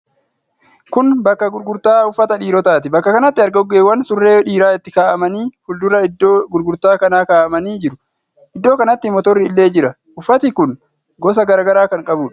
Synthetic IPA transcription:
kʊnbɐkːɐɡʊɾɡʊɾt̪aːʊfːɐt̪ɐᶑiːɾɔt̪aːt̪ɪbɐkːɐkɐnɐt̪ːɪɐɾɡɐɔɡːeːwɐnsʊrːeːᶑiːɾaːɪt̪ːɪkaːʔɐmɐniːhʊld̪ʊɾɐd̪oɡʊɾɡʊɾt̪aːkɐnaːkaːʔɐmɐniːd͡ʒɪɾʊ̥ | ʔɪd̪ːo̞ːkɐnɐt̪ːɪmɔt̪ɔrːɪːlːeːd͡ʒɪɾɐ | ʊfːɐt̪ɪkʊn | ɡɔs̬ɐɡɐɾaːɡɐɾaːkɐŋkʼɐbuːᶑɐ̥

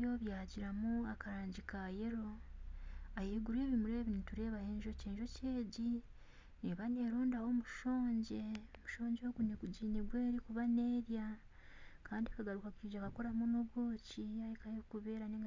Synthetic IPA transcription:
joβjaːɟiɾamuakaɾaːɲɟikaje̞ɾo̞ | aheːɡuɾe̞ːβimuɾe̞ːβinituɾe̞ːβaheːɲʒo̞ceːɲʒo̞ceːɟi | neβane̞ːɾoːndaho̞muʃo̞ːɲɟe̞omuʃo̞ːɲɟo̞ːɡuneɡuɟiːneɡweːɾikuβane̞ːɾja | kʰaːndiekaɡaɾukakiːɟakako̞ɾamunoβwoːciahekahekuβe̞ːɾaneŋɡ

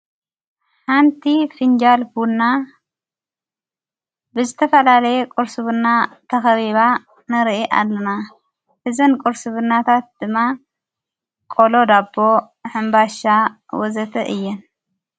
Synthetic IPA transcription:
ħant̪ʰifɨnd͡ʒalfunːa | bɨzɨt̪ʰɐfɐlalɐjɛkʼɔɾsɨβɨnːat̪ʰɐxɐβiβa | nɐɾʔiʔa̰lːɐna | ħɨzɐnkʼɔɾsɨβɨnat̪ʰat̪̚d̪̥ɨmːa | kʼolod̪abːo̞ | ħɨmbaʃa | wɔzɐt̪ʰɐʔɨjːɛn

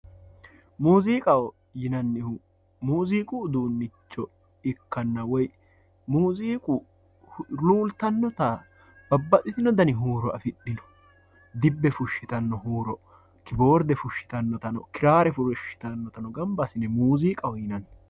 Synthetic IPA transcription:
muːziːkʼɐwɔ | jɪnɐnːɪhʊ | muːziːkʼʊːd̪uːnːɪt͡ʃːɔ | ɪkːɐnːɐwɔj | muːziːkʼʊ | luːlt̪ɐnːɔt̪ɐ | b̥ɐbːɐt̪ʼɪt̪ɪnɔd̪ɐnɪɦuːɾɔɐfɪɗɪnɔ̥ | d̪ɪbːɛfʊʃːɪt̪ɐnːɔɦuːɾɔ | kɪbo̞ːɾd̪ɛfʊʃːɪ̥t̪ɐnːɔt̪ɐnɔ̰kɪɾaːɾɛfʊɾʃɪ̥t̪ɐnːɔt̪ɐnɔɡɐmbɐsɪnɛmuːziːkʼɐwɔjɪnɐnː

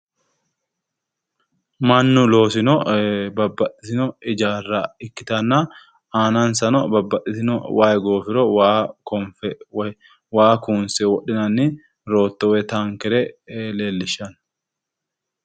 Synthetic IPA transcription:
mɐnːʊlo̞ːsɪnɔbɐbːɐɗɪtɪnɔɪd͡ʒaːrːɐɪkːɪ̥t̪ɐnːɐ | aːnɐnsɐnɔbɐbːɐʔɪtɪnɔwaːjɡo̞ːfɪɾɔwaːkɔmfɛw | waːkuːnsɛwɔɗːɪnɐnːɪ | ɾo̞ːt̪ːɔwɛt̪aŋkɛɾɛle̞ːlːɪʃːɐn

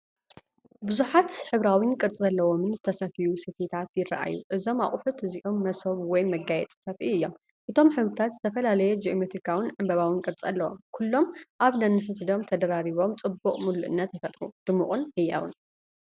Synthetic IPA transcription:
bɨzuħat̪ħɨβɾawinkʼɨɾt͡sʼizɐlːɐwomɨnzɨt̪ʰɐsɐfijusɨfit̪ʰat̪jɪra̰ʔa̰jːṵʔɨzo̞maχʼʊħut̪ɨziʔomːɐsoβwɔjmɐɡajɛt͡s̪ʼɨ̥sɐfiɨjːo̞m | ʔɨt̪ʰo̞mħɨβɨt̪ʰat̪z̥ɨt̪ʰɐfɐlalɐjɛd͡ʒiomet̪ɾikʰawɪnʕɨmbɐβawinkʼɨɾt͡sʼɐlːɐwo̰mkʰulːo̞mʔaβnɐnːɨħɨt̪ʰɨd̪o̞mt̪ʰɐd̪ɐɾaɾiβo̞mt͡sʼɨbːuqʼmulːuʔɨ̰nːɐt̪jɨfɐt̪ʼɾud̪̥ɨmːuχʼunħɨjɐ̰wɨ̰n

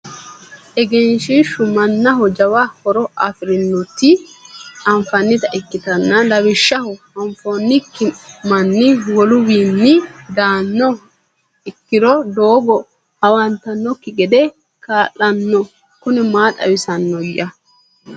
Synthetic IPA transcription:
ʔɛɡɛnʃɪʃːʊmɐnːɐɦɔd͡ʒɐwahɔɾɔʔɐ̰fɪɾɪnːʊt̪ːɪ | ɐɱfɐnːɪt̪ɐʔɪkːɪt̪ɐnːɐlɐwɪʃːɐhɔ | ɐɱfoːnːɪkːɪmɐnːɪwɔlʊwiːnːɪd̪aːnːɔ | ɪkːɪɾɔd̪o̞ːɡɔ | hɐwɐnt̪ɐnːɔkːɪɡɛd̪ɛ | kaːlːɐnːɔ | kʊnɛmaːt̪ɐ̰wɪsɐnːɔjɐ

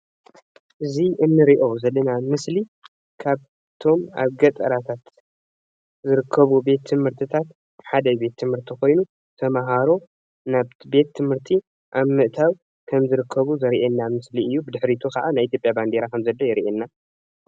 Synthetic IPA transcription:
ʔɨziʔɨnːɨɾiʔo̞zɐlːɐnamɨsli | kʰaβ | t̪ʰo̞ma̰βɡɐt̪ʼɐlat̪ʰat̪ | zɨɾɨkʰːɐβube̞t̪ʰːɨmhɨɾt̪ʰɨt̪ʰat̪ | ħad̪ɐbe̞t̪ʰːɨmhɨɾt̪ʰixo̞jnu | t̪ʰɐmaɦaɾo̞ | naβt̪be̞t̪ʰːɨmhɨɾt̪ʰi | ʔaβmɨʔt̪ʰaw | kʰɐmzɨɾɨkʰːɐβuzɐɾiʔenːamɨsliɨjːubɨd̪ɨħɾit̪ʰukɐʔanajʔit̪jo̞pʼjaband̪eɾakʰɐmzɐlːojɛɾiʔenːa

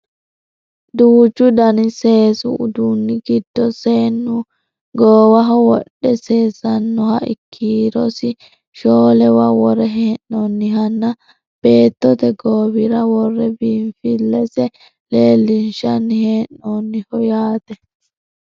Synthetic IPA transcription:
d̪uːd͡ʒʊd̪ɐnɪse̞ːsʊʔʊd̪unːɪɡɪd̪̥ːɔseːnːʊ | ɡoːwɐɦɔwɔɗːɛseːsɐnːɔhɐʔɪ̰kʰːiːɾɔsɪ | ʃoːlɛwɐwɔɾɛɦeːnːɔnːɪɦɐnːɐ | b̥e̞ːt̪ːɔt̪ɛɡoːbɪɾɐwɔrːɛbiːɱfɪlːɛsɛ | leːlːɪnʃɐnːɪheːʔnonːɪhɔjaːt̪ɛ

